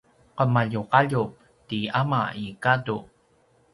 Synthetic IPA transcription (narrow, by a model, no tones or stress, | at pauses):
qəmaʎuqaʎu | tiama̰ikadu